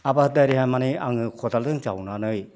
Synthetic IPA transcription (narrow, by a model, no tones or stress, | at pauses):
abadajɾiɦajmaniaŋɯkʰɔdaldɯŋt͡ʃawnanɯj